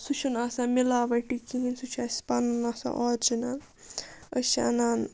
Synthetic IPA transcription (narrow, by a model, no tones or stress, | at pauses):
sut͡ʃʰɐnaːsamilaʋɐʈikiɦinsut͡ʃʰaspaːnunaːsa̰ʔɔɾd͡ʒinan | əʃa̰naːn